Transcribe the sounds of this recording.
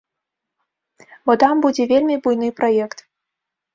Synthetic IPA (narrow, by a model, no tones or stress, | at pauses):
bɔt̪ambud͡zʲɛvʲelʲmʲibujnɨpɾajɛkt̪